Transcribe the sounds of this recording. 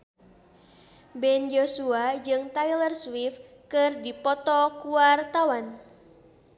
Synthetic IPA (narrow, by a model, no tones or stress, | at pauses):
bɛnd͡ʒosuad͡ʒɨŋt̪ajlərswif | kɨrdipɔt̪ɔkuart̪awan